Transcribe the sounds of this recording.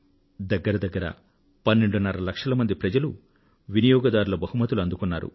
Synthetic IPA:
d̪ɐɡːɐɾɐd̪ɐɡːɐɾɐ̰ | pɐnːeɳɖunɐɾɐlɐkʂɐlɐmɐnd̪ipɾɐd͡ʒɐlu | ʋinijɔːɡɐd̪aːɾulɐbɐhumɐt̪uluɐnd̪ukunːaːɾṵ

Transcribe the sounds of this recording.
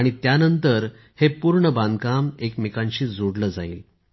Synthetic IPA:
aɽ̃it̪janənt̪əɾ | hepuɾɳəbãnd̪kamekmekãɲɕiːd͡zoɽləːd͡zaiːl

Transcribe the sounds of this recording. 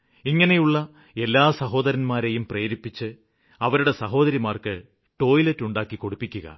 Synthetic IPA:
iŋːɐne̞juɭːɐ | e̞lːaːsɐɦo̞ːd̪ɐɾɐnmaːɾe̞jumpreːɾipːit͡ɕːɨ | ɐʋɐɾuɽe̞sɐɦo̞ːðɐɾimaːrkɨ | ʈo̞ːjletːuɳɖaːkːiko̞ɽupːikʲːuɣɐ̰

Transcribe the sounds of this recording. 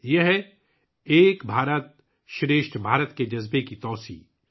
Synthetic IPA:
jɐɦɛ | eːkbʱaːɾət̪̚ | ʃɾeːʃʈbʱaːɾət̪ked͡ʒɐzbekit̪ɔːsḭː

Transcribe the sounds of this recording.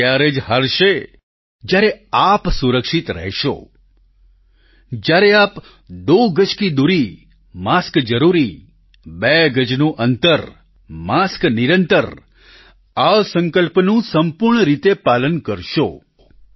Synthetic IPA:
jaɾed͡ʒɦaɾʃe | d͡ʒjaɾeapsuɾəkʃit̪ɾə̰ɦʃo̰ | d͡ʒjaɾeap | d̪oɡət͡ʃkid̪uɾi | maskd͡ʒəɾuɾi | bɛɡəd͡ʒnũʔənt̪əɾ | maskniɾənt̪əɾ | aʋsə̃ŋkəlpnũsəmpuɾɳəɾit̪epalənkəɾʃo

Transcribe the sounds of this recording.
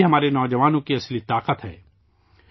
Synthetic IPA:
ɦɐmaːɾenɔːd͡ʒəʋaːnõkiɐslit̪aːqət̪ɦɛ̰ː

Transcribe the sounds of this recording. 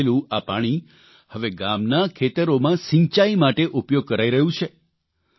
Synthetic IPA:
lũapa̰ɽ̃i | həʋeɡamnakʰet̪əɾomãsĩɲt͡ʃaimaʈeʔupjoɡ̚kəɾaiɾəɦũt͡ʃʰe

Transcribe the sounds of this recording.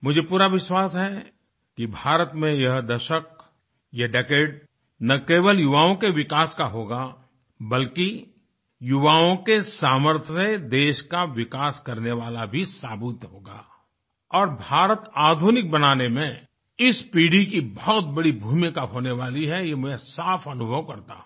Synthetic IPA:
mʊd͡ʒʱepuːɾaʋɪʃwaːsɦɛ | kibʱaːɾət̪mẽjɐɦd̪ɐʃək̚ | jɐɖekeːɖ | nɐkeːʋəljʊʋaːõkeʋɪkaːskaɦoːɡa | bɐlki | jʊʋaːõkesaːməɾt̪ʰsed̪eːʃkaʋɪkaːskɐɾneʋaːlabʱisaːbʊt̪ɦoːɡa̰ː | ɔːɾbʱaːɾət̪aːd̪ʱunɪk̚bɐnaːnemẽ | ɪspiːɖikibɔɔt̪̚bɐɽibʱuːmɪkaɦoːneʋaːliɦɛjemʊesaːfɐnʊbʱəʋkɐɾt̪a̰ː

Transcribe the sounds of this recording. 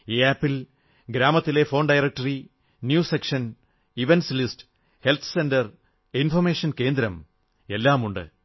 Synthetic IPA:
eːaːpːil | ɡɾaːmɐt̪ːile̞fo̞ːɳɖɐjrɐk̚ʈɐri | njuːsekʂɐn | iʋenslistɨ̥ | he̞lt̪ʰɨ̥sendɐr | infɐrmeːʂɐnke̞ːnd̪ɾɐm | e̞lːaːmuɳɖɨ̰

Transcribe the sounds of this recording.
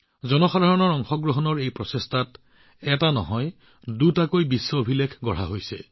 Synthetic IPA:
zɔnɔxadʱaɹɔnɔɹɔŋxɔɡɹɔɦɔnɔɹejpɹɔsestʰat | ɛtanɔ̰ɦɔj | dutakojbisːɔobʱilekʰɡɔɹ̤aɦojsɛ̰

